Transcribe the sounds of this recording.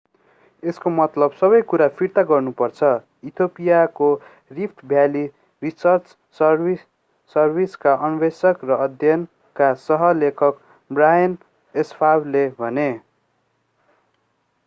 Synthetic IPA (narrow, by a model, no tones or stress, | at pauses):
eskomʌt̪lʌbsʌbʌjkuɾapʰirt̪aɡʌrnupʌrt͡sʰʌ | it̪ʰopijako | ripʰʈʰbʱjali | risʌrt͡s | sʌri | sʌrbiskaʔʌnbesʌkrʌʌd̪ʱjʌn | kasʌɦʌlekʰʌk | brajʌn | espʰablebʱʌne